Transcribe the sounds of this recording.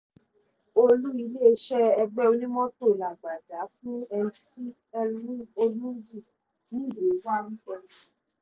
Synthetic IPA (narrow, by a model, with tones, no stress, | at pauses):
o˦˧lu˦i˧le˦e˧ʃɛ˦ɛ˧ɡ͡bɛ˦o˧nĩ˦mɔ̃˦to˦˨la˨ɡ͡ba˨d͡ʒa˨˦fũ˦ɛ˧nsi˦ | ɛ˧lũ˦o˧lũ˦ɡi˦˨ | nĩ˦do˨˦wa˦˨nũ˦fɔ˧lɛ˦